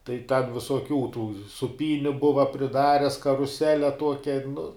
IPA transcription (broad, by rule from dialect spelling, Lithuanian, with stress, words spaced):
tɐɪ tʲɛn ʋʲɪsuɔˈkʲuː tuː sʊˈpʲiːnʲʊ ˈbʊʋɐ pʲrʲɪˈdɑːrʲɛs kɐrʊˈsʲæːlʲɛ ˈtuɔkʲɛ nʊ